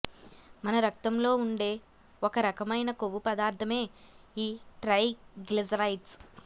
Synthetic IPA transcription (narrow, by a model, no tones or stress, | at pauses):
mɐnɐɾɐkt̪ɐmlo̞ːuɳɖe̞ː | ɔkɐɾɐkɐmɐjnɐkoʋupɐd̪aːɾt̪ʰɐme̞ːiːʈɾɐjɡlezɐɾɐjʈs